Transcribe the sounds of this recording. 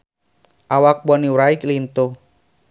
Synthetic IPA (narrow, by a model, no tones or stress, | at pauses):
ʔawak̚bɔniwɾaiklint̪u